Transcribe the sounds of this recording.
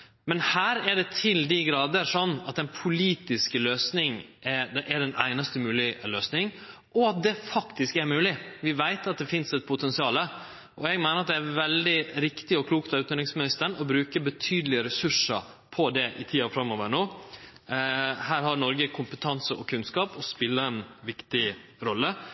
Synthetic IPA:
mɛnhæːɾɛɖɛt̪ʰɪld̪ɪɡɾɑːd̪əʂɔnːɑt̪ɛnpʰʊliːt̪ɪskəløːsnɪŋ | ʔɛd̪ɛʔɛɖɛnæ̰ɪnɑst̪əmʉːlɪløːsnɪŋ | ʔɔɑt̪̚d̪ɛfɑkt̪ɪskɛɾmʉːlɪʋɪʋæɪt̪ɑt̪̚d̪ɛfɪnsɛt̪̚pʰʊt̪ʰɛnsɪɑːlə | ʔɔɛɡmæɪnəɾɑt̪̚d̪ɛæɾʋɛld̪ɪɾɪkt̪ɪɔkʰluːkt̪ɑʉt̪əd̪ɪŋsmɪnɪst̪ənɔbɾʉːkəbət̪ʰyːd̪əlɪəɾɛsʉʂə̰ | pʰɔd̪ɛʔɪt̪ʰiːɑfɾɑmːoːʋəɾɳoː | hæːɾɦɑɾnɔɾɡəkʰʊmpət̪ʰɑnsəʔɔkʰʉnskɑːpɔspɪlːəɾɛnʋɪkt̪ɪɾɔlːə

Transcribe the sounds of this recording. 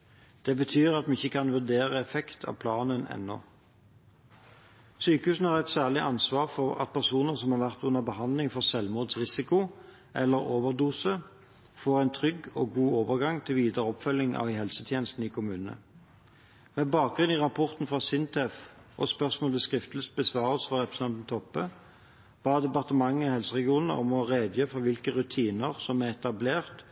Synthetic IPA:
d̪̥ɛbət̪ʰyːʁɑt̪mɪçːəkʰɑnʋʉʁd̪eːʁəɛfɛkt̪ʰɑ̰ːpʰlɑːnənɛ̰nːɔ̰ | syːkəhʉːsn̩hɑːʁɛt̪sæːʁɭɪʔɑnsʋɑːʁfɔʁɑ̰t̪̚pʰæʁsuːnəsɔmhɑːʁʋæʁt̪ʉnəʁbəhɑnd̪lɪŋfɔʁsɛlmuːd̪sʁɪsɪkʊ | ʔɛlːəʁoːʋəʁd̪uːsə | foːʁæɪnt̪ʰʁʏɡɔɡuːoːʋəʁɡɑŋt̪ʰɪlʋiːd̪əʁəɔpfœlːɪŋʔɑ̰ʋhɛlsət̪ʰjeːnəst̪n̩ikʰʊmʉːnənə̰ | mɛbɑːk̚ɡʁʉnɪʁɑpʰɔʁt̪n̩fʁɑsɪnt̪ʰɛf | ɔspœʁsmoːləskʁɪft̪ləs̚bəsʋɑːʁəsfɔʁɛpʁəs̩ɑnt̪n̩t̪ʰɔpːə | b̥ɑːd̪ɛpɑʁt̪əmɑŋːəihɛlsəʁɛɡɪuːnnə̰ʔɔmɔʁeːd̪jəfɔʋɪlkəʁʉt̪ʰiːnəʁsɔmæɛt̪ɑbleːʁt̪

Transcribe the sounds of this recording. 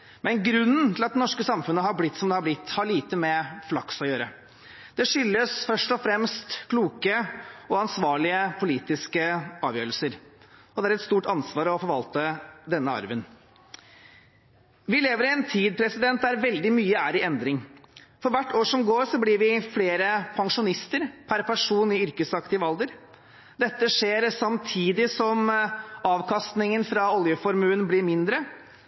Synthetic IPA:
mɛnɡɾʉnːənt̪ʰɪlɑt̪̚d̪ɛnɔʂkəsɑmfʉnːəɦɑɾblɪt̪ːsɔmd̪ɛhɑɾblɪt̪ːhɑɭiːt̪əmɛflɑksɔjøːɾə | d̪̥ɛʂʏlːəsfœʂʈɔfɾɛmst̪kʰluːkəɔɑnsʋɑːɭɪəpʰʊliːt̪ɪskəɑːʋjø̰ːɾəlsəɾɔd̪ɛæɾɛt̪st̪uːʈɑnsʋɑːɾɔfɔɾʋɑlt̪əd̪ɛnːəɑ̰ɾʋən | ʋɪleːʋəɾɪɛnt̪ʰiːd̪̚pʰɾɛsɪd̪ɛnt̪̚d̪æɾʋɛld̪ɪmyːəæːɾɪɛnd̪ɾɪŋfɔɾʋæʈːoːʂɔmɡoːɾʂɔblɪɾʋɪfleːɾəpʰɑŋʂʊnɪst̪əɾpʰæɾpʰæʂuːnɪʏɾkəsɑkt̪ɪəʋɑld̪əɾ | d̪ɛt̪ːəʂeːɾsɑmt̪ʰiːd̪ɪsɔmɑːʋkʰɑst̪nɪŋənfɾɑɔljəfɔɾmʉːənblɪɾmɪnd̪ɾə

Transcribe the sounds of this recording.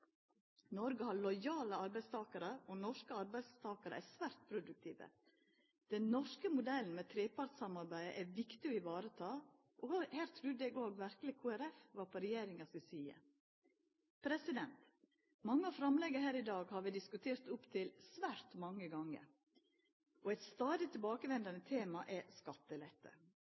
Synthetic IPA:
nɔɾɡəhɑɾɭɔʏjɑːləɑɾbæɪst̪ʰɑːkəɾəonɔʂkəɑɾbæɪst̪ʰɑːkəɾə̰ʔæsʋæːɾt̪̚pʰɾʊd̪ʉk̚t̪ʰiːʋə̰ | d̪̥ɛnnɔʂkəmʊd̪ɛln̩mɛt̪ʰɾeːpɑɾtsɑmɑɾbæɪə̰ʔæʋɪkt̪ɪɔɪʋɑːɾət̪ʰɑː | ʔɔhæːɾt̪ʰɾʉːd̪ɛɡoːɡʋæɾkəlɪkʰuːæɾɛfʋɑːɾpʰɔɾɛjeːɾɪŋɑsɪsiːə̰ | pʰɾɛsɪd̪ɛnt̪ | mɑŋːəɑfɾɑmlɛɡəɦæːɾɪd̪ɑːɡhɑɾʋɪd̪ɪskʉt̪ʰeːɾt̪ʊpt̪ʰɪlsʋæːɾt̪mɑŋːəɡɑŋːə̰ɾ | ʔɔɛɪt̪st̪ɑːd̪ɪt̪ʰɪlbɑːkəʋɛnd̪ɑnət̪ʰeːmɑʔɛskɑt̪ːəlɛt̪ʰːə̰

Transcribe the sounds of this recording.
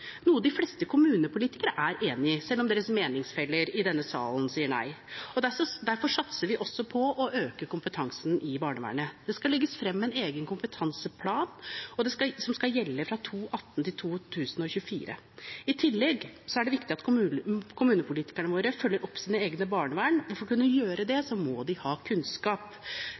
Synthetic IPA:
nuːəd̪ɪflɛst̪əkʰʊmʉːnəpʰʊliːt̪ɪkəɾəʔæɾʔeːnɪəsɛlːɔmd̪eːɾəsmeːnɪŋsfɛlːəɾɪd̪ɛnːəsɑ̰ːlnsiːəɳæ̰ɪɔd̪æsɔd̪æɾfɔʂɑt̪səɾʋɪʔɔsːɔpʰɔɔʔøːkəkʊmpət̪ʰɑŋsnʔɪbɑːɳəʋæ̰ːɳəd̪̥ɛskɑlɛɡːəsfɾɛmːɛneːɡənkʰʊmpət̪ʰɑnsəpʰlɑːnɔd̪ɛskɑsɔmskɑljɛlːəfɾɑt̪ʰuːʔɑt̪ːn̩t̪ɪlt̪ʰuːt̪ʰʉːsən̩ɔçʉəfḭːɾə̰ | ɪt̪ʰɪlːɛɡsɔæɖɛʋɪkt̪ɪɑt̪kʰʊʉkʰʊmʉːnəpʊliːt̪ɪ̥kæɳəʋoːɾəfœlːəɾʔɔpːsiːnəeːɡnəbɑːɳəʋæːɳʋʊɾfɔɾkʉnːəjøːɾəd̪ɛsɔmɔd̪ɪhɑːkʰʉnskɑːp

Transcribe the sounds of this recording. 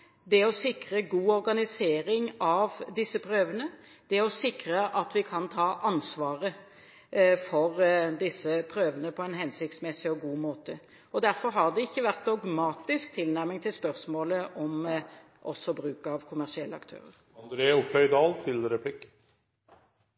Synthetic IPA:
d̪ɛɔsɪkɾəɡuːɔɾɡɑnɪseːɾɪŋɑʋd̪ɪsːəpʰɾøːʋənə | d̪̥ɛɔsɪkɾəʔɑt̪ʋɪkʰɑnt̪ʰɑːʔɑnsʋɑːʁə | fɔɾd̪ɪsːəpʰɾøːʋənəpʰɔɛnɦɛnsɪk̚t̪smɛsːɪɔɡuːmoːt̪ə | ɔd̪æɾfɔɾɦɑʁd̪ɛɪçːəʋæʁt̪̚d̪ɔɡmɑːt̪ɪsk̚t̪ʰɪlnæɾmɪŋt̪ʰɪlspœɾsmoːləʔɔm | ʔɔ̰sɔbɾʉːkɑʋkʰʊmæʁʂɪɛlːəɑ̰kt̪ʰø̰ːɾə̰ɾ | ɑnd̪ɾeːʊp̚t̪ʰœʏd̪ɑːlt̪ʰɪlɾɛpʰlɪk

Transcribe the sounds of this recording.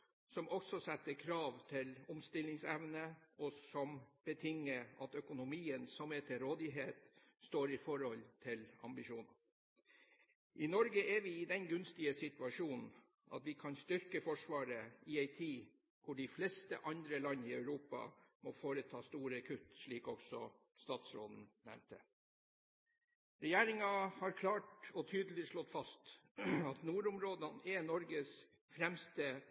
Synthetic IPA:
sɔmʔɔksɔsɛt̪ːəkʰɾɑːʋt̪ʰɪlʊmst̪ɪlɪŋsɛʋnəɔsɔmb̥ət̪ʰɪŋːəɾɑt̪œkʊnʊmiːənsɔmɛt̪ʰɪɾoːd̪ɪɦeːt̪ | st̪oːɾɪfɔɾhɔlt̪ʰɪlɑ̰mbɪʃuːn | ʔɪnɔɾɡəʔɛɾʋɪɪd̪ɛnɡʉnst̪ɪəsɪt̪ʉɑʂuːnn̩ | ʔɑ̰t̪ʋɪkʰɑnst̪ʏɾkəfɔʂʋɑːɾəɪæɪt̪ʰiː | kʰʊɖɪflɛst̪ə̰ʔɑnd̪ɾəlɑnːəɪœʉɾuːpɑ̰mɔfoːɾət̪ʰɑːst̪uːɾɑkʰʉt̪ʂɭiːkɔɡsɔ | st̪ɑːt̪sɾo̰ːd̪n̩nɛ̰mt̪ə | ɾɛjæːɾɪŋɑhɑɾkʰlɑːʈɔt̪ʰyːd̪əl̩ɪʂɭɔt̪fɑst̪ɑt̪nuːɾʊmɾoːd̪ɑnɛnɔɾɡəs | fɾɛmst̪ə

